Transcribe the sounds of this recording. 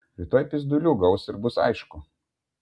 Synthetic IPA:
ɾʲit̪oːjpʲɪzd̪ʊlʲuːɡɐʊsɪɾbʊsɐ̰ɪʃkʊ

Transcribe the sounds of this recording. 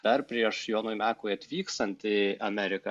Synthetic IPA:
d̪ɐɾpʲɾʲiɛʃjoːnoːjmʲæːkoːɪɐt̪ʲʋʲiːkst̪ɐnʲt̪ʲɪɐmʲɛɾʲɪkɐ

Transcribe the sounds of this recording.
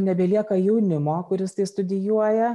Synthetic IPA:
nʲɛbʲɛːlʲiɛkɐjɛʊnʲɪmoːkʊɾʲɪst̪ɐɪst̪ʊd̪ʲɪjuɔjɛ

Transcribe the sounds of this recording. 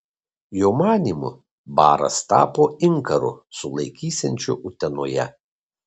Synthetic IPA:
joːmɑːnʲimʊ̰ | bɑːɾɐ̰st̪ɑ̰ːpoːɪŋkɐɾʊ̰sʊlˠɐɪkʲiːsʲɛnʲt͡ʃʲʊʔʊt̪ʲɛnoːjɛ̰

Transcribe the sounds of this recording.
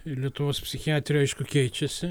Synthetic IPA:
lʲiɛt̪ʊʋoːspʲsʲɪxʲɪaːt̪ʲɾʲoɛɪʃkʊkʲɛɪt͡ʃʲɛsʲɪ

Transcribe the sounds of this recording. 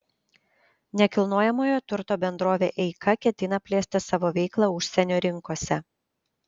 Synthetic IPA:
nʲɛkʲɪlˠnoːjɛmoːjoːt̪ʊɾt̪oːbʲɛnd̪ɾoːʋʲḛːʔɛɪkʰɐkʲɛt̪ʲɪnɐpʲlʲeːsʲt̪ʲɪsɑːʋoːʋʲɛɪklˠɑʊʃʲsʲɛnʲoːɾʲɪŋkoːsʲɛ

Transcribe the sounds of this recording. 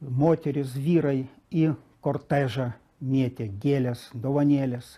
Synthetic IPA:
moːt̪ʲɛɾʲɪsʋʲiːɾɐɪ | ikoːrt̪æːʒɐ | mʲiɛt̪ʲeːɡʲeːlʲɛsd̪oːʋɐnʲeːlʲɛs

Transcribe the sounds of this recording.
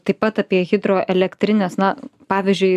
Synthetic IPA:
t̪ɐɪppɐt̪ɑːpʲiɛɣʲɪd̪ɾoːʔɛlʲɛkt̪ʲɾʲɪnʲɛsnɐpɑːʋʲizʲd͡ʒʲʊɪ

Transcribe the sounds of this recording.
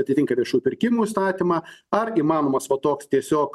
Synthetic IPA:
ɐt̪ʲɪt̪ʲɪŋkɐɾʲiɛʃʲuːpʲɪɾʲkʲɪmuːiːst̪ɑːt̪ʲiːmɑːɐɾiːmɑːnoːmɐsʋɐt̪oːkst̪ʲiɛsʲoːk

